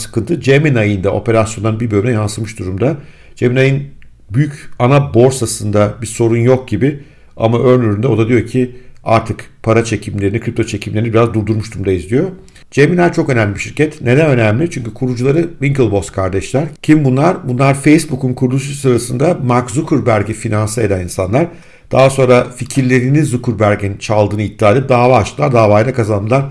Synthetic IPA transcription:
sɯ̥kʰɯnt̪ʰɯd͡ʒeminajɯnd̪ao̞̰pe̞ɾasjond̪anbiɾbølʲyinɛjansɯmɯʃd̪uɾumd̪a | d͡ʒeminajɯn | byjycanabo̞ɾsasɯnd̪abiso̞ɾunjo̞k̚ɟibɪ | amaʔø̞ɾnyɾynd̪ɛo̞d̪ad̪ijo̞cʰia̰ɾt̪ʰɯkpʰaɾat͡ʃʰe̞cʰimlʲeɾinikʰɾʲip̚t̪ʰo̞t͡ʃʰe̞cʰimlʲe̞ɾinibiɾazd̪uɾd̪uɾmuʃd̪uɾumd̪aizlʲijo̞ | d͡ʒeminʲæɾt͡ʃʰo̞kø̞næmlʲibiʃiɾcɛt̪ne̞d̪ænø̞næmlʲit͡ʃʰyɲcykʰuɾud͡ʒulˠaɾɯviŋkɯlˠbo̞st̪kʰaɾd̪ɛʃlʲæɾcʰimbunlˠaɾbunlˠaɾfejsbukunkʰuɾlˠuʃusɯɾasɯnd̪amakzukʰuɾbæɾɟifinansɯe̞d̪æninsanlˠaɾ̥ | d̪̥aɦaso̞nɾaficʰiɾlʲe̞ɾinizukʰuɾbæɾɟint͡ʃʰalˠd̪ɯːnɯit̪̚ʰːiaːlʲɛp̚d̪aːvaːʃt̪ɯlˠaɾd̪aːvaːjɯnakazand̪ɯlˠan

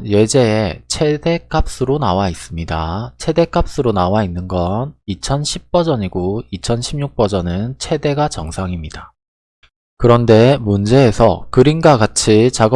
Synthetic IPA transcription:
je̞d͡ʑe̞et͡ɕʰe̞de̞k͈ap̚s͈ɯɾonawais͈ɯmɲidat͡ɕʰe̞de̞k͈ap̚s͈ɯɾonawainːɯnɡʌnit͡ɕʰʌnɕʰip̚p͈ʌd͡ʑʌɲiɡoit͡ɕʰʌnɕʰimɲuk̚p͈ʌd͡ʑʌnɯnt͡ɕʰe̞de̞ɡat͡ɕʌŋsʰaŋimɲida | kɯɾʌnde̞mund͡ʑe̞ːsʰʌkɯɾinɡaɡat͡ɕʰit͡ɕaɡʌ

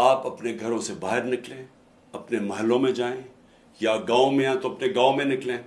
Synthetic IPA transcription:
aːpɐpneɡʱɐɾõsebaːɦɪɾnɪklẽː | ɐpnemɐɦəlːõmẽd͡ʒaːẽ | jaɡãːõmẽãt̪oɐpneɡaːõmẽnɪklẽː

